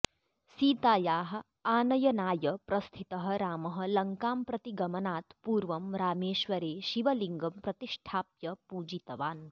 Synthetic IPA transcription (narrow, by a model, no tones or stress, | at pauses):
siːt̪aːjaːɦɐ̆ | aːnɐjɐnaːjɐpɾɐst̪ʰit̪ɐɦɐ̆ɾaːmɐɦɐ̆lɐŋkaːmpɾɐt̪iɡɐmɐnaːt̪puːɾʋɐmɾaːmeːʃʋɐɾeːʃiʋɐliŋɡɐmpɾɐt̪iʂʈʰaːpjɐpuːd͡ʒit̪ɐʋaːn